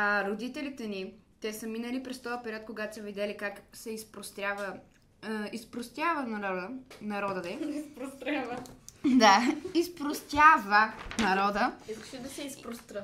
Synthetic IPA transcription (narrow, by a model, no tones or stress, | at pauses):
aɾod̪it̪ɛlit̪ɛnit̪ɛsəminəlipɾɛst̪ɔəpɛɾʲiɔt̪̚koɡat̪o̥səvid̪ɛlikaksɛispɾost̪javə | ispɾost̪ʲjavənɾɔd̪ənɐɾɔd̪əd̪ɛispɾost̪ɾʲavəd̪aispɾost̪ʲjavənɐɾɔd̪əiskə̥ʃɛd̪ɐsɛispɾost̪ʲɾə